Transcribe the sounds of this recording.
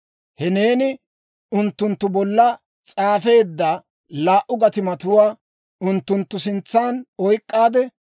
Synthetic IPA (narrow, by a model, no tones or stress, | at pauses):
hɛne̞ːnɪ | ʊnt̪ːʊnt̪ːʊbɔlːɐ | t͡sʼaːfe̞ːd̪ːa | laːʔʊɡɐt̪ɪmɐt̪ʊwaː | ʊnt̪ːʊnt̪ːʊsɪnt͡sːaːnɔjkʼːaːd̪ɛ